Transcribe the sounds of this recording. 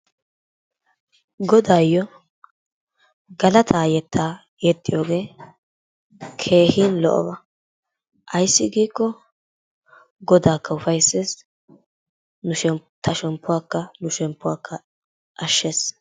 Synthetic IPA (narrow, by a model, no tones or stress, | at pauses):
ɡɔd̪aːjːɔ | ɡɐlɐt̪ʰaːjɛt̪ːaː | jɛt̪ʼːɪjo̞ːɡe̞ː | kʰe̞ːhiːnlɔ̰ʔɔ̰bɐ | ʔɐjsːɪɡiːkːɔ | ɡɔd̪aːkːɐʊfɐjsːeːs | nʊʃɛt̪ʰɐʃɛmpːʊwaːkːɐnʊʃɛmpːʊwaːkːɐ | ʔɐʃːeːs